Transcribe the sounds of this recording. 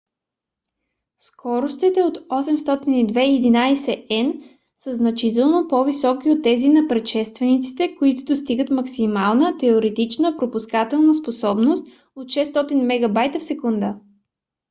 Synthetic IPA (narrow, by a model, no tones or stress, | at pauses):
skʰɔɾost̪it̪ɛot̪ɔsɛmst̪ɔt̪inid̪vɛiɛd̪inajsɛɛn | səznɐt͡ʃit̪ɛlˠnopɔvisɔkiot̪ːɛzinɐpɾɛt̪ʃɛst̪vɛnit̪si̥t̪ɛkoit̪ʊd̪ost̪iɡət̪mɐksimalˠnət̪ɛoɾɛt̪it͡ʃnəpɾopuskat̪ɛlˠnəsposɔbnost̪ | ot̪ʃɛst̪ɔt̪inmɛɡɐbajt̪əfsɛkund̪ə